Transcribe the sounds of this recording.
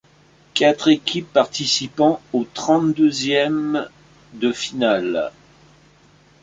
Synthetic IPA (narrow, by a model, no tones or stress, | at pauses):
kat̪χekʲʰipːaʁt̪isipɑ̃ot̪χɑ̃t̪d̪øzjɛm | d̪əfinal